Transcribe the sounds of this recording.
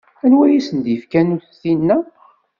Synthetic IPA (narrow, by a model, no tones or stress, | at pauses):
ænwæjisənd̪jəfkænuθθinːæ